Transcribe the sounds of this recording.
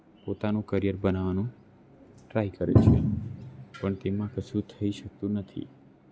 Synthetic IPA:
pot̪anũkəɾijəɾbənaʋanũ | ʈɾaɦikəɾḛt͡ʃʰe | pəɳt̪emãkət͡ʃʰũt̪ʰəiʃək̚t̪ũnət̪ʰḭ

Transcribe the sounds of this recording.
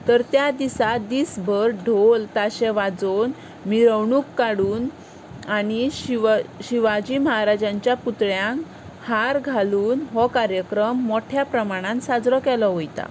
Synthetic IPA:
t̪əɾt̪jad̪isad̪iːsbʱəɾɖʱolt̪aɕɛʋad͡zon | miɾəwɳuːkːaɽuːn | aɽ̃i | ɕiʋad͡ʑiːməɦaɾad͡ʑãɲt͡ɕjaput̪ɭjãŋk | haɾɡʱaluːnɦɔkaɾjəkɾəmːoʈʰjapɾəmaɽ̃ãnt̪sad͡zɾɔkɛlɔɦojt̪a̰

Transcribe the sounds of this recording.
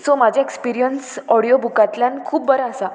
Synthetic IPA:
somad͡ʑʱjaekspiɾijənsɔɽijobʱukat̪ljankʰuːp̚bəɾasa

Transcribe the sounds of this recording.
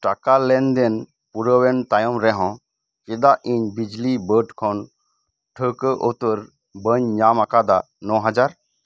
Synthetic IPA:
ʈakalɛnd̪ɛn | puɾəwɛnt̪ajɔmɾɛɦɔ̃ | kɛd̪aʔiɲbid͡ʒlibəɖkʰɔn | ʈʰəkəʔot̪əɾ | bəɲɲamakad̪a | nɔ̃ɦad͡ʒaɾ

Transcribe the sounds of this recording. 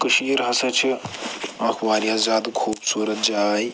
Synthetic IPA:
kuʃiːɾɦɐsɐt͡ʃʰi | ɐkʰʋaːɾjaːzaːd̪kʰuːbsuːɾɐt̪̚d͡ʒaːj

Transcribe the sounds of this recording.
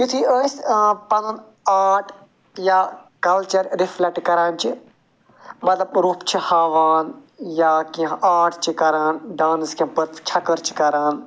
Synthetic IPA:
jut̪ʰiːəːspɐnɐn | aːʈʰ | jakɐlt͡ʃɐɾɾɪflɐkʈkɐɾaːnt͡ʃi | mɐt̪lɐbɾuːpt͡ʃʰihaːʋaːn | jaːkiãʔaːʈʰt͡ʃʰikɐɾaːnɖaːnskiãbət̪t͡ʃʰɐkəɾt͡ʃʰi̥kɐɾaːn

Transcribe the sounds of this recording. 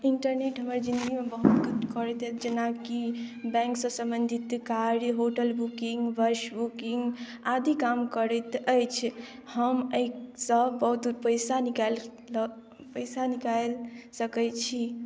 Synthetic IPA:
iɳʈəɾneʈɦəməɾd͡ʒind̪ɡimebəɦut̪kt̪kəɾɛt̪əd͡ʒenakibɛ̃ŋksə̃sə̃mbənd̪ʱit̪kaɾjɦoʈəlbukiŋɡʋəɾʃbukiŋɡ | ad̪ikamkəɾət̪əjt͡ʃʰ | həməjsəbəɦut̪pəjsanikal | pəjsanikalsəkət͡ʃʰi

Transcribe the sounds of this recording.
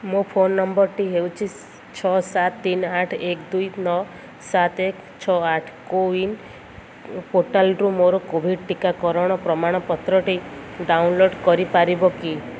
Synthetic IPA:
mopʰonːɔmbɔɾʈiɦewt͡ʃʰi | t͡ʃʰɔsat̪ːinaʈʰekd̪ujnɔ | sat̪ek | t͡ʃʰɔaʈʰkoin | poʈalɾumɔɾɔkobʱiɖʈikakɔɾɔɽ̃ɔpɾɔmaɽ̃ɔpɔt̪ɾɔʈiɖawnloɖkɔɾipaɾibɔki

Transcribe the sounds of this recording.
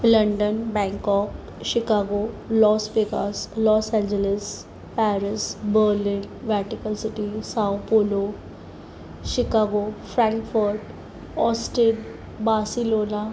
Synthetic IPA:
lɐ̃ɳɖənbɛ̃ːŋkɔːk | ʃɪkaːɡo | lɔːspekaːslɔːsɛ̃nd͡ʒəlɪs | pɛːɾɪsbəːɾlɪnʋɛɾʈɪkəlsɪʈisawpoːlo | ʃɪkaːɡofɾɛ̃ŋkfəɾɖ | ɔːsʈeɖ | baːsiloːna

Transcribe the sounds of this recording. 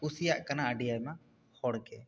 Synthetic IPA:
usijaʔkɐnaəɖijajma | hɔɽkɛ

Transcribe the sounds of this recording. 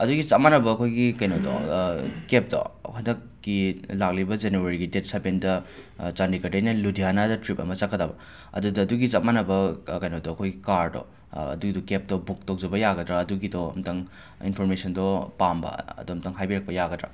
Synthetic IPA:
ɐduɡit͡ʃamanɐbɐːkʰojɡikɐjnodɔ̰kep̚dɔ̰hʰandɐkːilak̚libɐd͡ʒenuaɾiɡidet̚sabendɐt͡ʃandikɐdɐjnɐludianadɐtɾip̚ɐ̰mɐt͡ʃɐkːɐdabɐ | ɐ̰dudɐːduɡit͡ʃat̚manɐbɐkɐjnodɔːkʰojɡikaɾdɔ̰ | ɐ̰duɡidɔkep̚dɔbuk̚tok̚d͡ʒɐbɐjaɡɐdɾaːduɡidɔ̰mtɐŋ | ḭnpʰoɾmesɐndɔpambɐ̰ɐ̰dumtɐŋɦajbiɾɐk̚pɐjaɡɐdɾa̰

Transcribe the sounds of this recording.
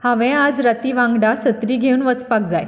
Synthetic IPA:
hãʋɛ̃ad͡zɾat̪iːʋãŋɡɽasət̪ɾiːɡʱeuːnʋət͡spak̚d͡zaj

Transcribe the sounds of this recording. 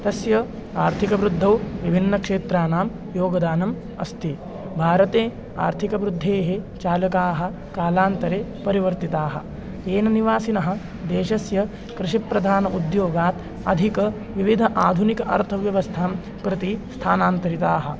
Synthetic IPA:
t̪ɐsjɐ | aːɾt̪ʰikɐʋɾud̪ʱːɐwʋibʱinːɐkʂeːt̪ɾaːnaːm | joːɡɐd̪aːnɐm | ɐ̰st̪i | bʱaːɾɐt̪eː | a̰ːɾt̪ʰikɐʋɾud̪ʱːeːɦet͡ʃaːlɐkaːɦɐ̆ | kaːlaːnt̪ɐɾeːpɐɾiʋɐɾt̪it̪aːɦɐ̰̆ | eːnɐniʋaːsinɐɦɐ̆ | d̪eːʃɐsjɐ | kɾɪʃipɾɐd̪ʱaːnɐʔud̪joːɡaːt̪ | ɐd̪ʱikɐ | ʋiʋid̪ʱɐʔaːd̪ʱunikɐʔɐ̰ɾt̪ʰɐʋjɐʋɐst̪ʰaːm | pɾɪt̪ist̪ʰaːnaːnt̪ɐɾit̪aːɦɐ̆

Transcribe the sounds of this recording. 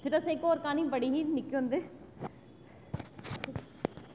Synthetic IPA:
pʰɪɾəsẽɪkoːɾkaːnĩbəɽiːɦinɪkõʊ̃ːnd̪eː

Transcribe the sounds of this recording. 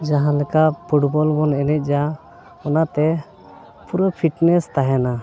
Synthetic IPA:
d͡ʒaɦãlɛkaʔpʰuʈbɔlbɔnɛnɛc̪̚ˀd͡ʒa | ɔnat̪ɛ | puɾɔpʰiʈnɛst̪aɦɛna

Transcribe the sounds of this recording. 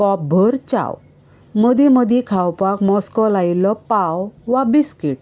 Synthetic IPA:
kɔp̚bʱəɾt͡ɕa̰w | məd̪iməd̪ʱikʰawpakmɔskɔlajilɔpawʋabiskiʈ

